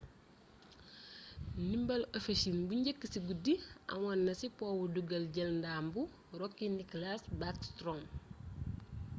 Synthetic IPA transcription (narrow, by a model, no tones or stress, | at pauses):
nimbɐlofeʃinbuɲɟəkːəsiɡudiɐ̰mɐnːɐsipɔːwuduɡɐlɟɐlndaːmbu | rɔkːiniklasbakstɾɔm